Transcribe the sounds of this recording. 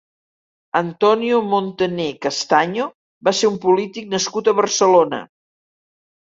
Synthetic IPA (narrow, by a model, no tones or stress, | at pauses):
ənt̪ɔniumont̪ənekəst̪aɲo | baseumpulit̪ik̚nəskut̪əβərsəlonə̰